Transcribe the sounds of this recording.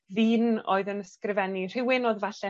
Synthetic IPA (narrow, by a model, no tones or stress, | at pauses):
ðiːno̰ːɨðənəskrɪvɛnir̥ɪwɪnɔðvaɬɛ